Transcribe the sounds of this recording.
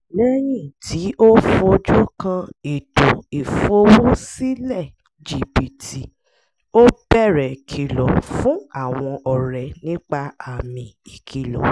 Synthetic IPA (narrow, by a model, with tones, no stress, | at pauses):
lɛ˦j̃ĩ˦˨tʰi˨˦ʔo˦fo˧o˧d͡ʒu˦kã˧i˨to˨i˨fo˧wo˦si˦lɛ˦˨ | d͡ʒi˨bi˨ti˨ | o˦bɛ˦˨ɾɛ˨kʰi˨lɔ˨fũ˦a˦˨w̃ɔ̃˧ʔɔ˨ɾɛ˨nĩ˦k͡pa˧a˨mĩ˨i˨kʰi˨lɔ̰˨